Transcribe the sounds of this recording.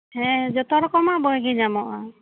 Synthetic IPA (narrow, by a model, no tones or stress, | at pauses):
hɛ̃d͡ʒɔt̪ɔɾɔkɔmabɔjɡid͡ʒamɔʔa